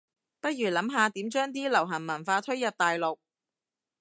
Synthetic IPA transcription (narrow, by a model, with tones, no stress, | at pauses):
pɐ˥t̚jɥyː˨˩lɐ˨˥mɦaː˨˧t̪iː˨˥mt͡ʃœː˥ŋt̪iː˥lɐ˨˩wɦɐ˨˩mɐ˨˩nfaː˧t̪ʰɵ˥ɥjɐ˨p̚t̪aː˨jlo˨k̚